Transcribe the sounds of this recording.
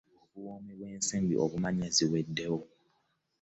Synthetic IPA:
obuwɔːmibeːnsĩmbḭʔɔβumãɲɛziwɛdːɛo

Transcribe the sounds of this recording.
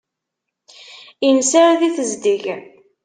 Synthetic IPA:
insaɾðiθəzd̪iʝ

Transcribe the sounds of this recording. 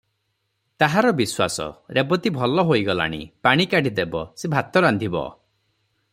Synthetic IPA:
t̪aɦaɾɔbiswa̰sɔ̰ɾebɔt̪ibʱɔlɔɦojɡɔla̰ɽ̃ḭpaɽ̃ikaɽʱid̪ebɔ̰sebʱat̪ɔɾand̪ʱibɔ̰

